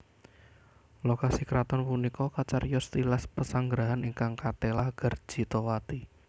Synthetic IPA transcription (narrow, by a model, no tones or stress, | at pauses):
lokasikɾat̪ɔnpunikɔkat͡ʃarjɔst̪ilaspəsaŋɡɾaɦaniŋkaŋkat̪elaɡ̥ər̥ʒ̥i̤t̪owat̪i